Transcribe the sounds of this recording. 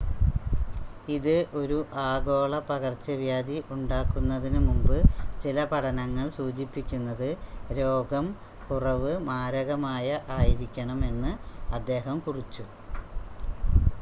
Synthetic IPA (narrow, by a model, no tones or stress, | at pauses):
iðɨʔo̞ɾuʔaːɡo̞ːɭɐpɐɣɐrt͡ɕːɐʋjaːd̪iʔuɳɖaːkːunːɐðinɨmumbɨt͡ɕilɐpɐɽʰɐnɐŋːɐɭsuːt͡ɕipːikʲːunːɐðɨɾo̞ːɡɐm | kurɐʋɨmaːɾɐɣɐmaːjɐʔaːjiɾikʲːɐɳɐme̞nːɨɐd̪ːe̞ːɦɐmkurit͡ɕːu